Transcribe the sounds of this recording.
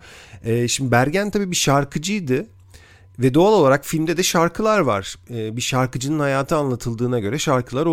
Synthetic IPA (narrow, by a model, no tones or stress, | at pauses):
ɛːʃimd̪ibæɾɟænt̪ʰabiːbiʃaɾkʰɯd͡ʒɯjd̪ɯ | vɛd̪o̞alˠo̞lˠaɾakfilʲmd̪ɛd̪ɛʃaɾkʰɯlˠaɾva̰ɾ̥ːbiʃaɾkɯd͡ʒɯnɯnhajaːt̪ʰɯanlˠat̪ʰɯlˠd̪ɯːnaɟø̞ɾɛʃaɾkʰɯlˠaɾo